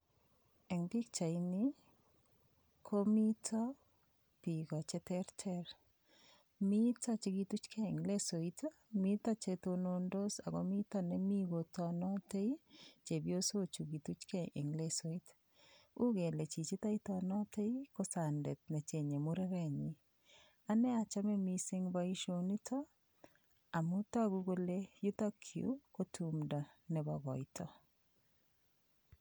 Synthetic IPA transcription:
ɛ˨ŋbi˦k̚t͡ʃa˨ini˦ | kʰo˦mi˦tʰɔ˦ | pi˨kɔ˨t͡ʃe˦tɛ˦ɾtʰɛ˦ɾ | mi˦ta˦t͡ʃe˦ɡi˦tu˦t͡ʃkʰɛ˦˨ŋle˦so˨ita˦ | mi˦ta˦t͡ʃeto˧no˦ndo˦sa˨ko˦mi˦ta˦nɛ˦mi˦ɡo˨tɔ˨nɔ˦te˦it͡ʃe˨bjo˦so˦t͡ʃu˨ɡi˨tu˦t͡ʃkɛ˦ʔɪ̰˨ŋle˦so˨i˦t | u˦ɡe˨le˨t͡ʃi˨t͡ʃi˦ta˦i˦tɔnɔ˦te˦i˦ko˦sa˨nde˨t̚ne˨t͡ʃe˨ɲe˨mu˦ɾɛ˦ɾɛ˦˨ɲi˨ | a˦nɛ˦a˨t͡ʃa˦mɛ˦mi˦sɪ˦ŋba˦i˦ʃo˨ni˦tʰɔ˦ | a˨mu˦tɔ˦ɡu˦ɡo˦le˦ju˦t̪a˦kʰiṵ˦ko˦tʰumda˨nɛ˨bɔɡɔ˨ɪtʰɔ˦

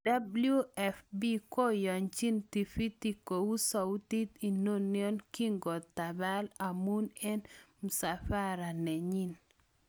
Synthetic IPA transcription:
d̥a˦blu˦ɛ˦˨fbi˦ko˦jɔ˨ɲt͡ʃi˦nti˨fi˦ti˦ko˨wu˦sa˨u˦ti˦t̪i˨no˦njɔ˦nki˦ŋɡɔ˨t̪a˨ba˦la˨mu˦nɛ˦nmu˨sa˨fa˦ɾa˨nɛ˨ɲi˦n

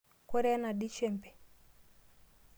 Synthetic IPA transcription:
kɔ˦ɾɛ˦a˦na˨ɗi˦t͡ʃɛ˦˨mpɛ̥˨

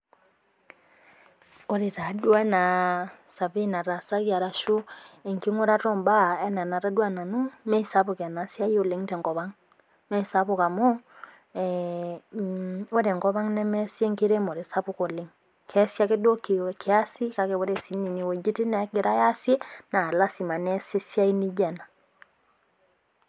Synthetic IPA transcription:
o˦ɾe˨ɾa˨dwa˦na˨sa˨βi˦na˨ɾa˨sa˦ɣja˨ɾa˨ʃu˦e˨ŋki˦ŋo˦ɾa˦ɾo˦mba˦ɛ˦na˨na˨ɾa˦dwa˦na˨nu˦mɛ˦sa˦βu˨ka˨na˨˦sja˦jo˨le˦ŋtɛ˨ŋkɔ˨βa˦ŋ | mɛ˦sa˦βu˨ka˨mo˦ | o˦ɾe˨ŋkɔ˦βa˦ŋnɛ˦mɛ˦sje˦ŋki˦ɾe˦mo˨ɾe˨sa˦βu˦ko˨le˦ŋ | kʰɛ˦sja˦ke˦do˦ki˨wɛkʰea˦si˦ka˨˦ke˨βo˦ɾɛ˦si˦ni˨ni˨wɛ˨d͡ʒi˦ti˦nɛ˨ke˦ɾa˦ja˦sjɛ˦na˨la˦si˨ma˨nɛ˦se˦sja˦i˦ni˦d͡ʒɛ˨na˨

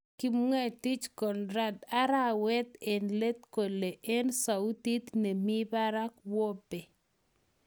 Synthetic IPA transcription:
ki˦mŋɛ˦˨ti˦t͡ʃkɔ˨nɾa˦da˦ɾa˦wɛ˦t̪ɛ˨nle˦t̪ko˨le˨ʔe˦nsa˨u˦t̪i˦t̪ne˨mi˦ba˦ɾa˦kwɔ˦be˨

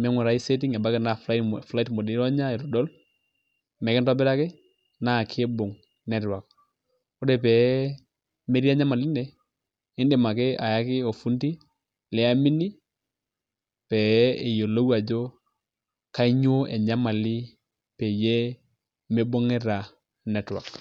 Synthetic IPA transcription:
mɛ˦ŋwu˨ɾa˨˦i˦se˦ti˦ŋɛ˨ba˦kɛ˨na˨fla˦fla˦i˦tmo˨di˦ɾɔ˦ɲa˦ɛ˨ɾɔ˨dɔ˦l | mɛ˨kɛ˦ntɔ˦bɛ˦ɾa˦kɪ˦ | na˦˨kʰe˦bo˨ŋ | nɛ˨ɾwa˨k̚ | o˦dɛ˨p̬ɛ˨ | me˦ɾi˦a˦ɲa˦ma˨li˦ndɛ˨ | i˦nde˨ma˨ke˦a˨ja˦kɪ˦o˨fu˦nti˦ | lɛ˦a˦mi˦ni˦ | pɛ˨e˨jo˨lo˦wu˦a˨d͡ʒo˦ | ka˦i˦ɲo˦e˨ɲa˦ma˨li˦ | pɛ˨jɛ˦ | me˦bo˦ŋɛ˦ɾa˨ | nɛ˨twa̰˨k

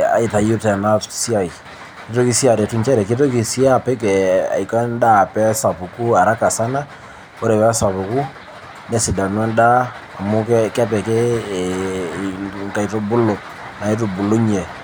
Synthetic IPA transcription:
a̰˨i˨ta˨ju˦tɛ˨na˦si˦a˦˨i˨ | kɪ˦to˦ki˦si˦a˨ɾɛ˨tu˦nt͡ʃɛ˦ɾɛ˨kɪ˦t̬o˦ki˨si˦a˦˨pɛ˦kɛ˨a̰˨jka˦nda˦˨pɛ˦sa˨pu˨ku˦a˨ɾa˦ka˨sa˦na˦ | o˦ɾɛ˨pɛ˦sa˨pu˨ku˦ | nɛ˦sɪ˨da˨n˦ɛ˦ndaː˦˨ | mʊ˦kkɛ˦pɛ˨kɛ˦˨ | ŋka˨ito˦bʊ˦lo˨ | na˨e˦t̬u˨bu˨lo˦ɲɛ˨

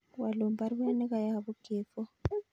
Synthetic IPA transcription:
wa˨lo˨mba˨rwa˦nɛ˦ka˨ja˨βu˦ɡ̥ʱɛː˨fɔ˦

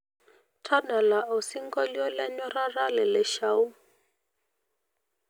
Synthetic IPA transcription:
tʰa˦da˨la˨ʔu˨si˦ŋɡɔ˦ljɔ˦lɛ˦ɲɔ˦ra˦ra˦lɛ˨lɛ˨ʃa˦u˦

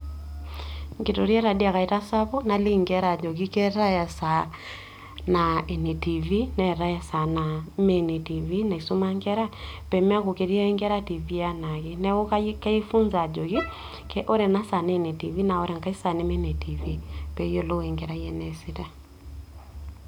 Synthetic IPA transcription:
ŋɡe˨to˨ɾjɛ˦ɾa˨di˦a˨ka˨i˨ta˦sa˦βo˦na˨li˦ŋɡɛ˦ɾa˨d͡ʒɔ˨ɣi˦kɛ˦ɾa˦ja˨sa˨ | na˨e˨ne˨ti˨vi˦nɛ˨ɾa˦ja˨sa˨na˨me˦ne˨ti˨vi˦na˨i˨so˦ma˦ŋɡɛ˦ɾa˦pɛ˨me˦a˦ko˨ke˨ɾi˦a˦i˦ŋɡɛ˦ɾa˦ti˨vi˦a˦na˨ɣe˦nɛ˦o˦ka˦ka˦i˦fu˦nza˨d͡ʒɔ˨ɣi˦ | kɛ˦ʔo˦ɾɛ˨na˦sa˨ne˦˨ne˨ti˨vi˦na˨ɔ˦ɾɛ˨ŋka˦i˦sa˨ne˦mɛ˦ne˨ti˨vi˦pɛ˨jo˦lo˦e˨ŋɡɛ˨ɾa˦jɛ˨nɛ˨si˦ta˦

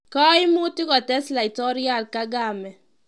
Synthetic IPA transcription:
kɔ˦ɪ˦mʊ˦tɪ˦kɔ˨tɛ˦sla˨i˨tɔ˦ɾja˦lka˦ɡa˨mɛ˨

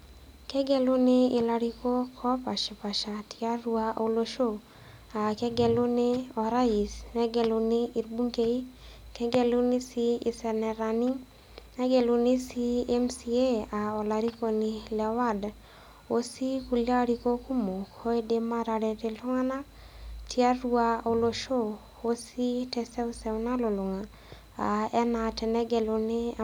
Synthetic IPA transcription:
kɛ˦ɡɛ˦lu˦nɪ˦ɪ˨la˨ɾi˦ko˦kʰɔ˦pa˨ʃɛ˨pa˨ʃa˨tia˦ɾu˦a̰˦˨u˨lo˧ʃo˦ | a˨kɛ˦ɡɛ˨lʊ˦ne˦ɔ˨ɾa˦i˨snɛ˦ɡɛ˨lʊ˧nɪ˦i˨ɾbu˦ŋke˦i˦kɛ˦ɡɛ˦lu˦ni˦si˦i˨sɛ˨nɛ˨ɾa˨ni˦ŋ | ɛ˦ɡɛ˨lu˧ni˦si˦ɛ˦msie˦a˨ɔ˨la˨ɾi˦ko˨nilɛ˨wa˦d | o˨si˦ku˨la˦ɾi˦ko˦ku˦mo˨kɔ˦ɛ˦de˦ma˦ɾa˨dɛ˨tɛ˨lʊ˦ŋa˦na˦ | tʰi˦a˦ɾuao˨lo˨ʃo˦ | o˦si˦tɛ˨sɛ˦ɔ˦sɛ˨una˦lɔ˨lʊ˨ŋa | a˨ɛ˦na˨tɛ˨nɛ˦ɡɛ˨lo˨nɪ˦

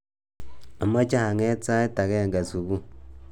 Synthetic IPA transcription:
a˨ma˦t͡ʃa˦ha˨ŋe˦t͡sa˦e˦ta˨ke˦˨ŋɡa˨su˨βu˦

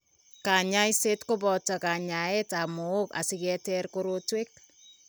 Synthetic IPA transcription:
ka˨ɲa˦jse˦tkʊ˦bɔ˨ta˨ka˨ɲa˨ɛ˦ta˨mʊ˨ʊ˦ka̰˨sɪ˦kɛ˦tɛɾko˦ɾotwe˦k̚

